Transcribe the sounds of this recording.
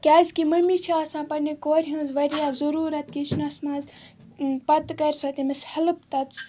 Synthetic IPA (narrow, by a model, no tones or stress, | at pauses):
kʲaːzkimɐmit͡ʃʰiaːsãːpɐɾnikoːɾʲiɦɐ̃nzʋɐɾijaːzɐɾuːɾɐt̪kit͡ʃʰnɐsmãːz | pɐt̪kɐɾʲsɐt̪imɐshɐlɨpt̪ɐt̪s